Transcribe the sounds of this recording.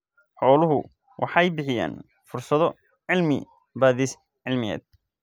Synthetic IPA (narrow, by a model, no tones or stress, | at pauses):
ħɔːlʊɦʊ | wʔɑħɑjbɪħɪja̰ːn | fʊrsɐðɔ | ʕɪlmɪ̰ | baːðiːs | ʕɪlmɪjɛ̰ːd̪̚